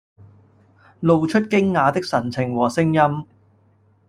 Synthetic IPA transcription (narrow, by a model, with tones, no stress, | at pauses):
lo˨˧wt͡ʃʰɵ˥t̚kɪ˥ŋːaː˨˧t̪ɪ˥k̚sɐ˨˩nt͡sʰɪ˨˩ŋwɔː˨˩sɪ˥ŋjɐ˥m